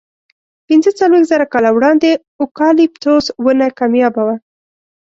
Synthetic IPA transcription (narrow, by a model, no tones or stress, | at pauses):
pɪnzət͡salwexzaɾakɑlawɽɑnd̪e | ʊkɑlip̚t̪oswənakɑmjɑbawa